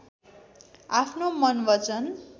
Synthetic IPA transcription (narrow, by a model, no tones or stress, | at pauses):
apʰnomʌnbʌt͡sʌn